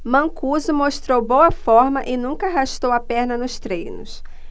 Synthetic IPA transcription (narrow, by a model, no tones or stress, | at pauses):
mɐ̃kuzʊmoʃt̪ɾowbowɐfɔɾmɐʔɪnũŋkɐɦaʃt̪owɐpɛɾnɐnʊst̪ɾẽjnʊs